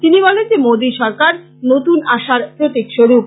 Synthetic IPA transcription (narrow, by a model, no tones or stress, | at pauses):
t̪inibɔlend͡ʑemod̪iʃɔɾkaɾ | not̪unaʃaɾpɾot̪ikʃoɾup̚